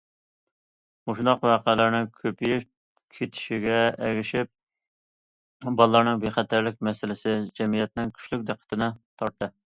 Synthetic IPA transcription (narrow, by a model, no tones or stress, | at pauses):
moʃnɑqwæːqælɪɾnɪŋkʲʰøpʰiji | kʲʰet̪ʰɪ̥ʃiɡʲɛɛɡʲɪʃɪp̚ | bɑlˠːɑɾnɨŋbeχæt̪ʰæɾlɪkʲmɛsɪlɪsɪd͡ʒɛmijɛt̪nɪŋkʲʰy̥ʃlyk̚ʲd̪æqʰːə̥t̪ʰɪnɪt̪ʰɑɾt̪ːɨ